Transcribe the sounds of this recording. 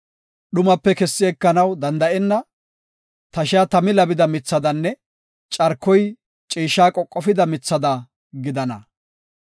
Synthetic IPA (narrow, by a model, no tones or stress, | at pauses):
ɗʊmɐpːɛkɛsːɪɛkːɐnɐwd̪ɐnd̪ɐʔɛnːɐ | t̪ɐʃɪjaːt̪ɐmɪlɐbɪd̪ɐmɪt͡sːɐd̪ɐnːɛ | t͡ʃʼɐɾkːɔj | t͡ʃʼiːʃːaːkʼɔkʼːɔfɪd̪ɐmɪt͡sːɐd̪ɐ | ɡɪd̪ɐnɐ̰